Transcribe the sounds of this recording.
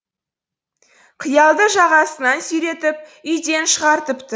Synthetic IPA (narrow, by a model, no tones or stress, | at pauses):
qʰəjɑlˠd̪əʒɑʁɑsənɑnsʏjɾe̞t̪ɪp̚ʏjd̪e̞nʃəʁɑɾt̪əpt̪ə